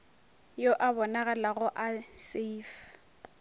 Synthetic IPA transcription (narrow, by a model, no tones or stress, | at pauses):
joʔabɔnaɣalaɣʊʔasif